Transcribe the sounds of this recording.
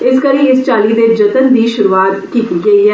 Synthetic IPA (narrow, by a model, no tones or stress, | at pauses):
ɪskəɾĩːɪst͡ʃaːliːd̪ed͡ʒət̪ənd̪iːʃʊɾuːaːt̪kiːt̪iɡɐiːɦɛː